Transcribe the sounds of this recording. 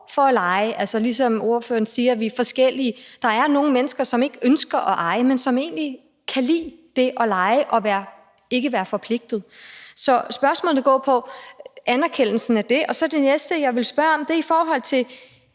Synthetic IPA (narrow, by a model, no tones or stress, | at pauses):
fɒ̽ælɑ̈ɪəʔælsɒlisɒ̽mo̝ɐfø̰ːɐnsiːɐʋifɒ̽sɡ̥el̰iəd̥ɑ̈æɐno̝ːŋ̩menəsɡ̥ɐsɒ̽me̝ɡ̥əønsɡ̥ɐʔɒʔɑ̈ɪəmensɒ̽me̝̰ːnli | kʰælḭːd̥e̝ʔɒ̽lɑ̈ɪəʔɒ̽ʋæːɐ | e̝ɡ̥əʋæːɐfɒ̽pʰle̝ɡ̥̚d̥ð̞̩ˠsɒ̽sb̥ɶɐsmɔ̰ːlð̩ˠɡ̥ɒ̰ːpʰɒ̽ | ænæɐkʰen̰l̩sn̩æd̥e̝ʔɒ̽sɒ̽d̥e̝nesd̥əjɑ̈ɪʋe̝lsb̥ɶɐɒ̽md̥e̝ɐifɒːɦɒ̽l̰t͡sʰe̝l